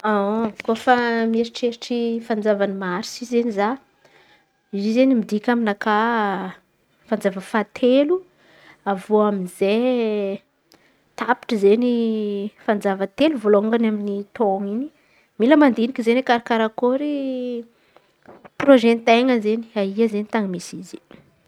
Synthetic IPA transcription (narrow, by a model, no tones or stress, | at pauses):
akofameɾiʈ͡ʂeɾiʈ͡ʂifand͡zavanimaɾisizeniza | izizenimid̪ikʲaminaka | fand͡zavəfat̪ʰelu | avoaminze | t̪api̥ʈ͡ʂəzenifand͡zavət̪eluvoloŋɡanaminit̪oŋini̥ | miləmand̪inikʲizenikaɾakaɾakoɾi | proʒɛnt̪ajŋanzeni̥aiazenit̪aŋamisizi̥